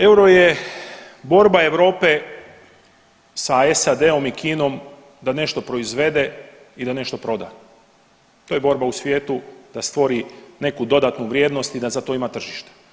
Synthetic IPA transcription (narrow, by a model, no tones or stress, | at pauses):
e̞wɾoje̞ | bo̞ɾbae̞ʋɾo̞ːpe̞ | saesad̪e̞o̞mikiːno̞m | d̪ane̞ʃt̪o̞pɾo̞izʋe̞d̪e̞ | id̪ane̞ʃt̪o̞pɾo̞d̪a̰ | t̪oje̞bo̞ɾbausʋje̞ːt̪ud̪̥ast̪ʋo̞ɾine̞kud̪o̞d̪at̪nuʋɾje̞ːd̪no̞st̪id̪azat̪o̞imat̪r̩ʒiʃt̪e̥